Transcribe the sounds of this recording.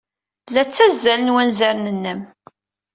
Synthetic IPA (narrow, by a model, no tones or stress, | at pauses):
blːæt͡sːæzːælənwænzæɾnənːəm